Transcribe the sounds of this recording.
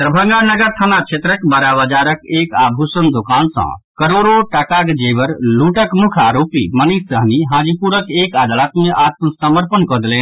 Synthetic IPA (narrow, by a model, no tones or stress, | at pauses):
t̪ɾəbʱə̃ŋɡanəɡəɾt̪ʰanat͡ʃʰet̪ɾəkbəɾaʋəd͡ʒaɾəkekabʱusənd̪okansã̰kəɾoɾoʈakakd͡ʒebəɾluʈəkmukʰaɾopiməniəɦniɦãːd͡ʒipuɾəkekad̪alət̪mẽʔat̪̚pəsəməɾpənkɔd̪elẽːn